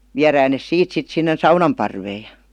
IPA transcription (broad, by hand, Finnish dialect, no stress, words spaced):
ʋiæræːn nes siːt sit sinːen̞ sɑunɑm pɑrʋeː j̊ɑ̥